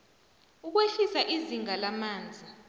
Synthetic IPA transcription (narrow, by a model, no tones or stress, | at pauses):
uk̬weɬisaʔiziŋalamaːnd͡zʱi